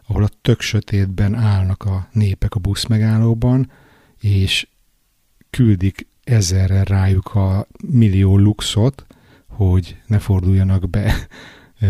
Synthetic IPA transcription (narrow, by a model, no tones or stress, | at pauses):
ɒɦo̞lɒt̪økʃøt̪eːd̪bɛnaːlnɒkɒneːpɛkɒbusmɛɡaːlːoːbɒn | eːʃ | kyld̪ik | ɛzɛrːɛrːaːjukʰɒmilːioːlukso̞t̪ | ho̞ɟnɛfo̞rd̪ujːɒnɒɡbɛ